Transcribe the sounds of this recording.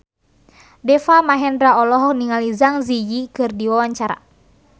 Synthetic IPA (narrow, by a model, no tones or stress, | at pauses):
dɛfamaɦɛndɾaɔlɔɦɔk̚niŋalizaŋzijikɨrdiwawaɲt͡ʃaɾa̰